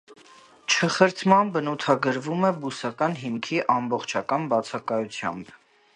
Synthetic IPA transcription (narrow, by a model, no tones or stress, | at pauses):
t͡ʃʰəχəɾt̪ʰmɑnbənut̪ʰɑɡəɾvumɛbusɑkɑnɦimkʰiʔɑmbɔχt͡ʃʰɑkɑnbɑt͡sʰɑkɑjut͡sʰjɑ̰mb